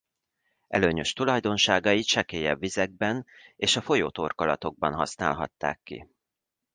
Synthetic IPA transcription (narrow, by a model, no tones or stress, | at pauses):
ʔɛ̰løːɲø̞ʃt̪ulɒjd̪o̞nʃaːɡɒjit̪ʃɛkeːjɛbːizɛɡ̚bɛneːʃɒfo̞joːt̪o̞rkolɒ̰t̪o̞ɡ̚bɒnɦɒ̰sna̰ːlɦɒ̰t̪ːa̰ːkːḭ